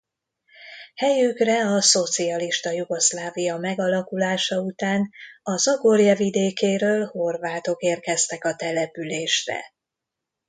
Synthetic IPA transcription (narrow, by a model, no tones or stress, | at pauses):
hɛjykrɛɒso̞t̪siɒliʃt̪ɒjuɡo̞ʃlaːvijɒmɛɡɒlɒkulaːʃɒut̪aːnɒzɒɡorjɒvid̪eːkeːɾøːlho̞rvaːt̪o̞keːrkɛst̪ɛkɒt̪ɛlɛpyleːʃrɛ̰